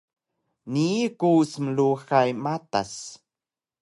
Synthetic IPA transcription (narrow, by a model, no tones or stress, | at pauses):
nikusmluxajmat̪a̰s